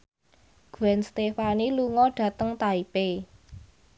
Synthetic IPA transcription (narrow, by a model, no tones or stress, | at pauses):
ɡ̥uɛnst̪efaniluŋɔɖ̥ä̤t̪əŋt̪aipe